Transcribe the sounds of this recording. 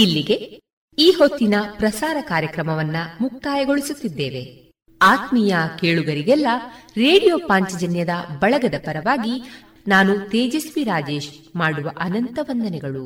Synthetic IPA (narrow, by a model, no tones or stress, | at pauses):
ilːiɡe̞ | iːho̞t̪ːinɐpɾɐsaːɾɐkaːɾjɐkɾɐmɐʋɐnːɐmuk̚t̪aːjɐɡo̞ɭisut̪ːid̪ːeːʋe̞ | aːt̪mijɐkeːɭuɡɐɾiɡɛlːɐɾeːɽijo̞ːpaːɲt͡ʃɐd͡ʒɐnjɐd̪ɐbɐɭɐɡɐd̪ɐpɐɾɐʋaːɡi | naːnut̪eːd͡ʒesʋiɾaːd͡ʒe̞ːʃmaːɽuʋɐʔɐnɐnt̪ɐʋɐnd̪ɐnɛɡɐɭu